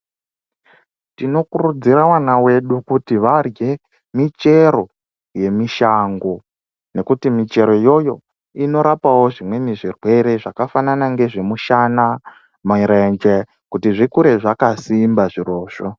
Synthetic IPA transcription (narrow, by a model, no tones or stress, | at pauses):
tino̞kurud͡ziɾawanawe̞ɗukutiʋarje̞ | mit͡ʃe̞ɾo̞ | je̞miʃaŋɡo̞ | ne̞kutimit͡ʃe̞ɾo̞jo̞jo̞̰ | ino̞ɾapawo̞ʐimwe̞neʐirwe̞ɾe̞ʐakafananaŋɡe̞ʐe̞muʃana | mɾend͡ʒe | kutiʐikuɾe̞ʐakasimbaʐiro̞ːʃo